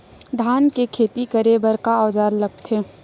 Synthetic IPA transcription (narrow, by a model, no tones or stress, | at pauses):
d̪ʱaːnkekʰeːt̪ikəɾebəɾkaɔːd͡ʒaːɾlɐɡ̚t̪ʰeː